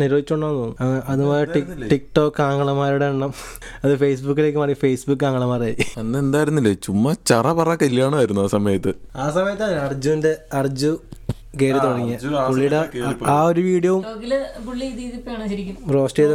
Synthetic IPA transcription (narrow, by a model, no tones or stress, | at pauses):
niɾoːd̪it͡ɕːoɳːɖaːnːoːnːuɐŋːɐeʔɐðumoːleiʈikʈoːkːaːŋɡɐɭɐmaːɾuɽeɳːɐm | ɐðɨfejs̬bukːileːkːɨmɐrifejsbukːaːŋːɐɭɐmaːraːjɐnːɨend̪aːjiɾunːilːet͡ɕumːɐt͡ɕɐrɐpɐrɐkːɐilːɐjaːɳɨʋɐɾunːuaːsɐmɐjɐt̪ːɨaːsɐmɐjɐt̪ːaːnɐrd͡ʑuʋindeɐrd͡ʑu | keːɾit̪oɽɐŋːɐpuɭːijɽeaːoɾuʋiːɽijɐʋumoɡilpuɭːiiðiðipːojaːɳɐɾikʲːunro̞ːsʈeːð